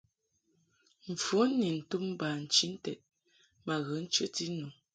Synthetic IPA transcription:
ɱ̩˨fu˨˦ni˨n̩˨tu˦m˦ba˨n̩˨t͡ʃi˦n̩˦tɛ˨t̚ | ma˨ɣə˨˦n̩˦t͡ʃə˦ti˦nu˨

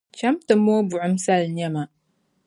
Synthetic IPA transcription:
t͡ʃa˦mtɨ˨mo˦bʊ˨ʕʊ˦msa˦˨lnɛ˦ma˨

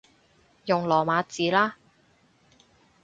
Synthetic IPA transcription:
jʊ˨˩ŋlɔː˨˩maː˨˧t͡siː˨˥laː˥

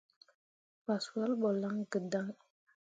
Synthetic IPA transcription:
pa˨sa˦lɓɔ˨la˦ŋɡə˨da˦ŋ

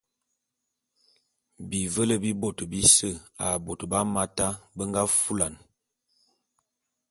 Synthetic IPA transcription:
bi˨və˦lə˦bi˦bo˦˨tbi˦sə˦˨a˨bo˨tba˦ma˦ta˦bə˦ŋɡa˦fu˦la˨n

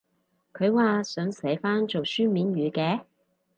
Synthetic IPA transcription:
kʰɵ˨˧ɥwaː˨sœː˨˧˥ŋsɛ˨˥jfaː˥nt͡ʃo˨wsyː˥miː˨˥nɥyː˨˧kɛː˧˥

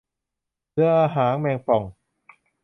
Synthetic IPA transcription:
lɯ˧˩əʔaː˧ɦaː˩˦ŋmɛː˧ŋpʰɔ˨˩ŋ

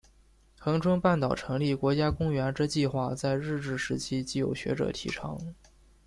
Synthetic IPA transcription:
xɤ˧˥ŋʈ͡ʂʰwə˥ŋpa˥˩nt̪ɑ˨˩ʊʈ͡ʂʰɤ˧˥ŋli˥˩kwɔ˧˥t͡ɕja˥kʊ˥ŋɥɛ˧˥nʈ͡ʂ̩˥t͡ɕi˥˧xwa˥˧t͡sa˥˧ɪɻɻ̩˥˧ʈ͡ʂɻ̩˥˩ʂɻ̩˧˥t͡ɕʰi˥t͡ɕi˥˩jo̰˨˩ʊɕɥɛ̰˧˥ʈ͡ʂɤ̰˨˩t̪ʰḭ˧˥ʈ͡ʂʰɑ̰˧˥ŋ

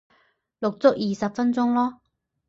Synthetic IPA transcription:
lʊ˨k̚t͡sʊ˥k̚jiː˨sɐ˨p̚fɐ˥nt͡sʊ˥ŋlɔː˥

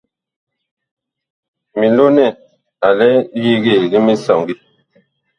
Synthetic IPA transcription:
mi˨lo˦nɛ˦˨ | a˨lɛ˦di˦ɣe˦˨ɣi˦mi˦sɔ˨ŋɡi˦

